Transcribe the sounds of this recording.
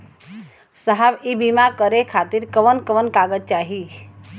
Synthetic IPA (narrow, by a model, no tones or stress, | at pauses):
səɦaʋibimakəɾekʰaːt̪iɾkəʋənkəʋənkaɡət̪̚t͡ʃaːɦi